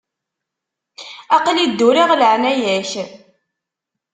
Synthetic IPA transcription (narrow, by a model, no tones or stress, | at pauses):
ɑqlid̪ːuɾiʁləʕnæjæç